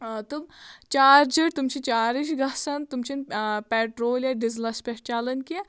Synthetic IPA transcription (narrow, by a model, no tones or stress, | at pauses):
t̪umt͡ʃaːɾd͡ʒiɽt̪umt͡ʃʰit͡ʃaːɾiʃɡɐsɐnt̪umt͡ʃʰinpɛːʈɾoːljɐɖizlɐspʲeʂt͡ʃaːlɐnkie